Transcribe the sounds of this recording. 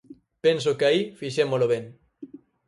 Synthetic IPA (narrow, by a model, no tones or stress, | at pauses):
pens̬okaifiʃemoloβeŋ